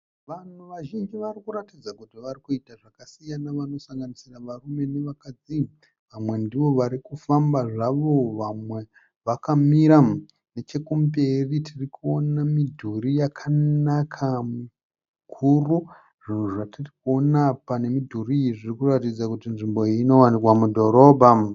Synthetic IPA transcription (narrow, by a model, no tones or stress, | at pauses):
ʋan̤uʋaʒind͡ʒiʋarikuɾatid͡zakutiʋarikuitaʐakasijanaʋano̞saŋɡanisiraʋarume̞neʋakad͡zi | ʋamwe̞ndiʋo̞ʋaɾikufambaʐaʋo̞ʋamwe̞ | ʋakamiɾa | ne̞t͡ʃe̞kumberitʰirikuo̞namidʱurijakʰanakʰamu | kʰuru | ʐin̤uʐatirikuo̞napane̞midʱuriiiʐirikuratid͡zakutinʐimbo̞iːno̞wanikwamudʱo̞ɾo̞ːbʱa